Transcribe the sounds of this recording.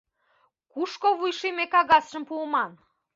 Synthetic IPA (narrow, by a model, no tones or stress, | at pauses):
kuʃkoβujʃimekɑɣɑsʃə̆mpuəmɑn